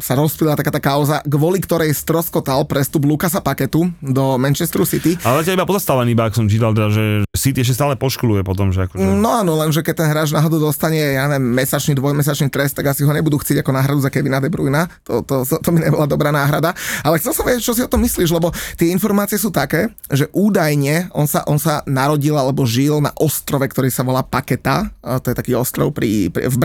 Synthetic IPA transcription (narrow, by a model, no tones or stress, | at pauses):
saɾɔspilat̪akaːt̪akaʊzaɡʋɔlikt̪ɔɾɛjst̪ɾɔskɔt̪alpɾɛst̪ublukasapakɛt̪ud̪ɔmɛnt͡ʃɛst̪ɾusit̪ialɛzacalibapɔzast̪aʋaniibaakɔ̥sɔmt͡ʃiːt̪alˠt̪ɛd̪aʒɛɛsit̪iɛʃcɛst̪aːlɛpɔʃkɔlujɛpɔt̪ɔmʒɛakɔnɔaːnɔlɛnʒɛkɛc̚t̪ɛnɦɾaːʒnaɦɔd̪ud̪ɔst̪aɲɛjaɲɛʋjɛmːɛsat͡ʃnid̪ʋɔjmɛs̬at͡ʃnit̪ɾɛst̪aɡasiɦɔɲɛbud̪uːxtt͡sɪɛɟakɔnaːɦɾad̪uzakɛʋinad̪ɛbɾujnat̪ɔt̪ɔsɔt̪ɔbiɲɛbɔlad̪ɔbɾaːnaːɦɾad̪aalɛxt͡sɛlsɔmʋiɟɛc̚t͡ʃɔsiɔt̪ɔmːisliːʒlɛbɔt̪ɪɛinfɔɾmaːt͡siɛsuːt̪akɛː | ʒɛʔuːd̪ajɲɛɔnsa̰ʔɔnsanaɾɔɟilalɛbɔʒilna̰ʔɔst̪ɾɔʋɛkt̪ɔɾiːsaʋɔlaːpakɛt̪at̪ɔjɛt̪akiːɔst̪ɾɔ̰ʊpɾḭpɾvb